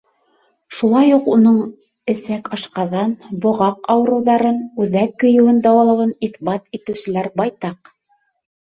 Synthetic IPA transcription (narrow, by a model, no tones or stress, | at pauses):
ʃulˠɑjuqunɤɴ | ɘ̆sækɑʃqɑðɑnbŏʁɑqɑwɤ̆ɾɤ̆wðɑɾɤnʉðækːɵ̆jɘ̆wɘnd̪ɑwɑlˠɤ̆wɤniθbɑt̪it̪ɘ̆wsɘ̆læɾbɑjt̪ɑq